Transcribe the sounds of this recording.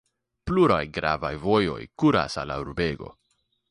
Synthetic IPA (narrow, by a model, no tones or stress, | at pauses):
pluɾajɡɾa̰vajvo̞jo̞̰jkuɾa̰salauɾbe̞ɡo̞̰